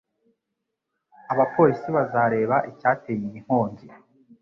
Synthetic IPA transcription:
aβapʰo̞ːɾisiβazaɾe̞ːβaʔicaːteːjimiŋ̥ho̞ːɲɟi

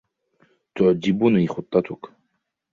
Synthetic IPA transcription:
t̪ʰɔʕd͡ʒibuniχut̪ʼːat̪ʰukʰ

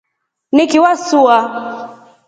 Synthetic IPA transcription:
nikiwasua

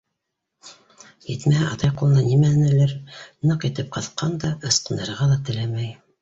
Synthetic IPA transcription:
jɘt̪mæhæʔɑt̪ɑjqulˠɤ̆nɑnimænæ̆lɘɾnɤqɘ̆t̪ɘp̚qʰɑθqɑnd̪ɑɤ̆sqɤ̆nɤ̆ɾʁɑlˠɑt̪ɘ̆læmæj

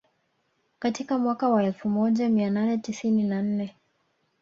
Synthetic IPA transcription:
katikamwakawaɛlfumɔʄamiananɛtisininan̩nɛ

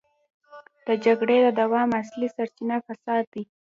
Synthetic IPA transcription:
d̪̥əd͡ʒaɡɽed̪əd̪awɑmaslisaɾt͡ʃinafasɑd̪̚ːi

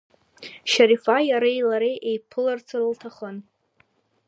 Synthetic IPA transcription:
ʃaɾifajaɾajlaɾejʔejpʰɨlart͡sʰɨrɨltʰaχən

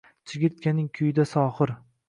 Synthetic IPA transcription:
t͡ʃʰɪɡʲɪt̪̚kʲʰanɪŋkʲʰʊjɪd̪asɒːχɨɾ

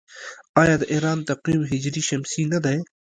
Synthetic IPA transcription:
aːjaːd̪ɐʔiɦɾaːnt̪ɐqwiːmɦɪd͡ʑɾiːʃɐmsiːnɐd̪ɐj

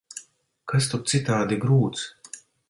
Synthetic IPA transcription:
kas̬t̪up̚t̪sit̪aːd̪iɡɾuːt̪s

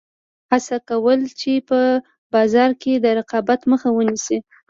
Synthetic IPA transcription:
hasakawəlt͡ʃepə | bɑzɑɾked̪əɾɪqɑbat̪məxawənisi

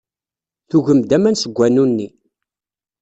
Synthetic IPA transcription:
θuʝəmd̪æmænsəɡʷːænunːi

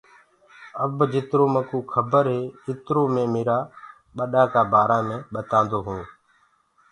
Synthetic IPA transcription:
əbd͡ʒɪt̪ɾoːmə̃kuːkʰəbəɾɦeːɪt̪ɾoːmẽːmeːɾaː | ɓəɗaːkaːbaːɾãːmẽːɓət̪ãːnd̪oːɦũː

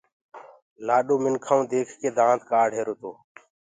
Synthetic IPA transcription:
laːɗoːmɪnkʰaːũːd̪eːkʰkeːd̪ãːt̪kaːɽʱɦeːɾot̪oː

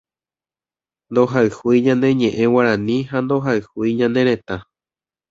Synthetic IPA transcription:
nd̪oɦaɨhuiɲãnd̪e̞ɲẽ̞ʔẽwaɾãnĩɦand̪o̞ɦaɨhujɲãnd̪e̞ɾẽ̞t̪a

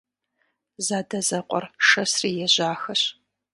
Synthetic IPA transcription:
zaːdɐzɐqʷʼɔ̰rʂɐsriːjɛʑaːxɐɕ

